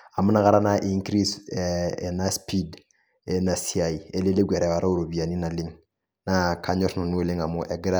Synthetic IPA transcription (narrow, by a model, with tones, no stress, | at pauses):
a˨mu˦na˦ka˦ɾa˦na˦ʔi˦ŋkɾi˦se˨na˦spi˦d | e˦na˨si˦a˨i˨e˦le˦le˦ɡʷɛ˨ɾɛ˨wa˨ɾa˦u˦ɾo˨bi˨a˨ni˦na˨li˦ŋ | na˦ka˦ɲɔ˦ɾna˨nu˦e˦˨le˦ŋa˨mu˦ʔe˨ɡɾa˦